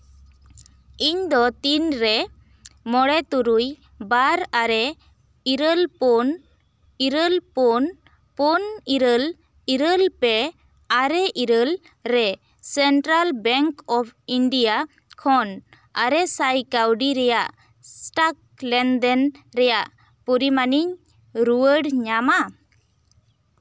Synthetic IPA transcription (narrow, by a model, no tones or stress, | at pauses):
iɲd̪ɔt̪inɾɛ | mɔɽɛt̪uɾuj | baɾaɾɛ | iɾəlpɔn | iɾəlpɔn | pɔniɾəl | iɾəlpɛ | aɾɛʔiɾəl | ɾɛ | sɛɳʈɾalbɛŋkɔpʰiɳɖija | kʰɔn | aɾɛsajkawɖiɾɛjaʔ | sʈak̚ | lɛnd̪ɛnɾɛjaʔ | pɔɾimaniɲ | ɾuwəɖɲama